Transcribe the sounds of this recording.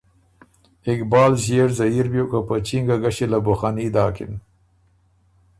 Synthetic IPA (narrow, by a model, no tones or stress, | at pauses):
ɪkbɑːlʑeɾzaiɾbjokapət͡ʃiŋɡaɡaɕelabʊxanid̪ɑːkɪ̰n